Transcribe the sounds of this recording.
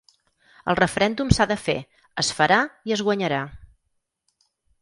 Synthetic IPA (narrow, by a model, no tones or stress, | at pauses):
əlˠrəfəɾɛnd̪umsaðəfḛ | əsfəɾaiəzɣwəɲəɾa